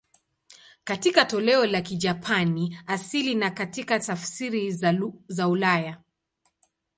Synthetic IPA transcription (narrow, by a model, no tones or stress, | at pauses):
katikatɔlɛɔlakid͡ʒapʰaniasilinakatikatafsiɾizaulaja